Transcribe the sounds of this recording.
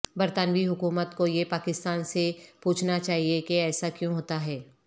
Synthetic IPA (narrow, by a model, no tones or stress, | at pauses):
bɐɾt̪anʋiɦʊkuːmət̪kojepaːkɪst̪aːnsepuːt͡ʃʰnat͡ʃaːɦiekeɛːsakjõɦoːt̪aɦɛː